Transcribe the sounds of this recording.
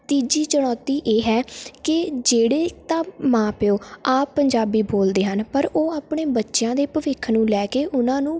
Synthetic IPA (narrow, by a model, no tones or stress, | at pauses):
t̪iːd͡ʒiːt͡ʃəɽ̃ɔːt̪iːʔeːɦɛːkɪd͡ʒeːɽeːt̪ãːmãːpɪoːaːpːəɲd͡ʒaːbiːboːld̪eːɦənpəɾoːaːpɳeːbətːʃɪjãːd̪eːpəʋɪkʰnũːlɛːkeːʔʊnãːnũː